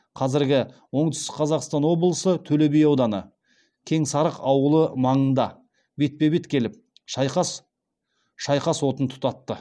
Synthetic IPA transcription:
qʰɑzɪɾɡʲɪwo̞ɴt̪ʏ̥st̪ɪkqʰɑzɑqst̪ɑnwo̞blˠəsət̪ʰɵle̞bejɑwd̪ɑnə̰ | kʲʰe̞ŋsɑɾəqɑwəlˠəmɑɴənd̪ɑ | be̞t̪̚pe̞be̞t̪kʲʰe̞lɪp̚ | ʃɑjqɑs | ʃɑjqɑswo̞t̪ənt̪ʰʊ̥t̪ɑt̪ːə

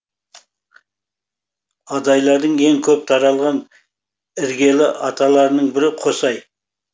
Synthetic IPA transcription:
ɑd̪ɑjlˠɑɾd̪əɴe̞ŋkʲʰɵp̚t̪ʰɑɾɑlˠʁɑn | ɪɾɡʲe̞lɪʔɑt̪ʰɑlˠɑɾənəɴbɪɾɪqʰo̞sɑj

